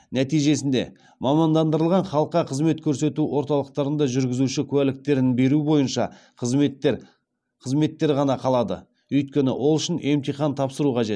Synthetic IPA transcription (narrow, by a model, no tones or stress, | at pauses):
næt̪ijʒe̞sɪnd̪e̞̰ | mɑmɑnd̪ɑnd̪əɾəlˠʁɑnχɑlˠəqːɑqʰəzme̞t̪kʲʰɵɾse̞t̪uwo̞ɾt̪ɑlˠəqt̪ɑɾənd̪ɑʒʏɾɡʲɪzuʃɪkʲʰʉwælɪk̚t̪e̞ɾɪnbe̞ɾubo̞jənʃɑ̰ | qʰə | qʰəzme̞t̪ːe̞ɾʁɑnɑqʰɑlˠɑd̪ə̰ | ɵjt̪̚kʲe̞nɪ̰wʔo̞lˠʏʃɪnʔe̞mt̪ijχɑnt̪ʰɑpsəɾuqʰɑʒe̞t̪